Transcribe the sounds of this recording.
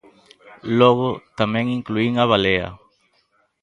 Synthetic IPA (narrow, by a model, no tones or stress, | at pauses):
lɔɣʊt̪amɛ̃ŋiŋkluiŋaβ̞aleɐ̰